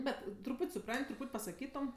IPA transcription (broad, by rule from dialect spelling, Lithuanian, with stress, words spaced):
ˈbʲɛt trʊˈpuːtʲ sʊˈprɐnʲtʲ trʊˈpuːtʲ pɐsɐˈkʲiːtoːm